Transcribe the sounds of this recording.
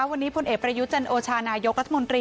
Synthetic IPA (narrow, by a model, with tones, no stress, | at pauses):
a˦˥wa˧nːiː˦˥pʰo˧nʔeː˨˩kpɾa˧ju˦˥t̪̚t͡ɕa˧nʔoː˧t͡ɕʰaː˧naː˧jo˦˥k̚ɾa˦t̪ʰa˧mo˧nt̪ɾiː˧